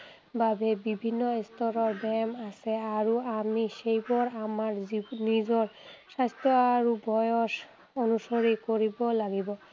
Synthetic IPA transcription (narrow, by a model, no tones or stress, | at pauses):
babɛbibʱinːɔestɔɹɔɹbɛmasɛaɹuamixejbɔɹamaɹinizɔɹsajstʰɔaɹubʱɔjɔs | onusoɹikoɹibɔlaɡibɔ